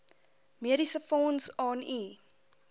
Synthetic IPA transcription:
miəɾisəfɔːnsɑːni

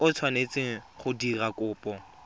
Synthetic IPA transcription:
ʊt͡sʰwanet͡sʼɪχʊdirakʊːpʼɔ

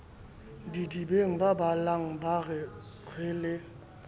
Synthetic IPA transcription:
ndidibeŋbabalaŋbaʁe | ʁele

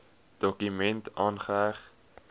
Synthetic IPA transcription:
d̥ɔkymɛntɑːnχəæχt

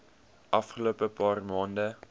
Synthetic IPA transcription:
ʔɐfχəloːpəpɑːrmɑːndə

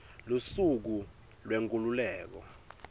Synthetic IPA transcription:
lusuk̬u | lweŋkʼululɛːk̬ɔ̰

